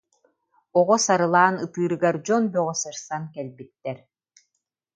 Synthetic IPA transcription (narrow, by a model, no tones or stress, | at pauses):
ɔʁɔsaɾɯlˠaːnɯpɯːɾɯɡɛɾd͡ʑɔnbœʁɔsɯɾsankɛlʲbit̪ːɛɾ